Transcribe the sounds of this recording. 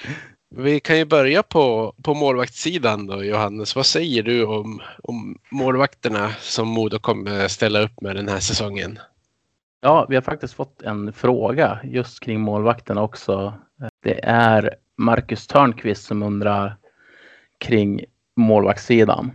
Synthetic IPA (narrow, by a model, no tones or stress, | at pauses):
vɪkʰanjɵbœɾjapʰɔpʰɔmoːlvakt̪siːd̪and̪ɔjʊhanːəsvasɛjːəɖɵɔmɔ̰mːoːlvakt̪əɳasɔmːuːd̪ʊkʰɔmːəɾst̪ɛlːaɵpːmɛd̪ɛnhæːʂɛsɔŋːə̰n | jɑːvɪhaɾfak̚t̪ɪst̪fɔt̪ʰːɛnfɾoːɡajɵst̪kʰɾɪŋːmoːlvakt̪əɳaɔksɔ | d̪̥ɛ̰ʔæɾ | maɾkɵst̪ʰœːɳkʰvɪst̪sɔmɵnd̪ɾaɾ | kʰɾɪŋː | moːlva̰k̚t̪siːd̪a̰n